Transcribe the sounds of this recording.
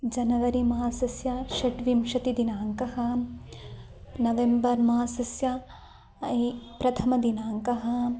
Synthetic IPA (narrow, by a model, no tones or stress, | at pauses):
d͡ʒɐnɐʋɐɾimaaːsɐsjɐʃɐʈʋimʃɐt̪id̪inaːŋkɐɦɐ | nɐʋembɐɾmaːsɐsjɐ | ipɾɐt̪ʰɐmɐd̪inaːŋkɐɦɐ̆